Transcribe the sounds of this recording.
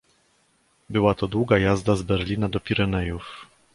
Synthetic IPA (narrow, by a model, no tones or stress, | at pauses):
bɘwat̪ɔd̪wuɡajazd̪azbɛɾlʲinad̪ɔpʲiɾɛnɛjuf